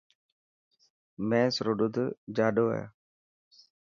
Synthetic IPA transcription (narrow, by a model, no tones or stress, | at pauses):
mɛ̃ːsɾoɗʊd̪d͡ʒaːɗoːɛ̰ː